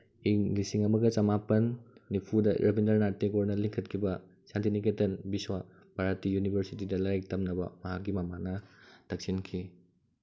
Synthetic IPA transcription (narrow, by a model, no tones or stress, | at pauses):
iŋlisiŋɐmɐɡɐt͡ʃɐmapɐnːipʰudɐ̰ɾʔɐbʱindɐɾnaɾteɡoɾnɐliŋkʰɐt̚kʰibɐ | santiniketɐnbiswa | b̥aɾatijunibʱɐɾsitidɐlajk̚tɐmnɐbɐ̰mɐɦak̚ɡimɐmanɐd̥ɐk̚sinkʰi